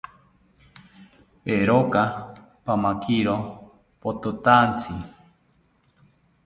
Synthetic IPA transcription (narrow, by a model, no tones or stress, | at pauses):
peɾoka | pamakʰiɾo | pot̪ut̪ant͡sʰi